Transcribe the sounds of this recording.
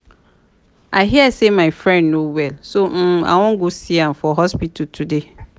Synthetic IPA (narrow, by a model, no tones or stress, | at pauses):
aɪɦiɛsemãɪfɹɛ̃ndnowɛlsom̩a̰wɔ̃ŋɡosiãmfɔɦɔspitʰutʰude